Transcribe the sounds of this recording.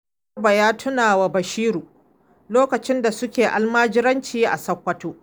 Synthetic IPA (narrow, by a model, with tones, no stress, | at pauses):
ba˨jaː˦tʰʊ˦naː˨wa˨bɐ˨ʃiː˦ɾuː˨ | loː˦kɐ˨t͡ʃɪ˦nda˨sʊ˦kʲeː˨ʔa̰˨lmaː˦d͡ʒɪ˦ɾɐ˦nt͡ʃiː˦ʔa̰˨sɐ˦kʷːɐ˦toː˦